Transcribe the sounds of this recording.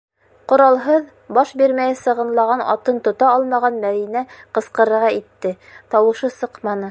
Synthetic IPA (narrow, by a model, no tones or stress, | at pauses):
qŏɾɑlˠɦɤð | bɑʃbiɾmæjɘsɤ̆ʁɤ̆nlˠɑʁɑnɑ̰t̪ɤnt̪ŏt̪ɑɑlˠmɑʁɑnmæðinæqɤ̆sqɤ̆ɾɤ̆ɾʁɑit̪ːɘ | t̪ɑwɤ̆ʃɤsɤqmɑnɤ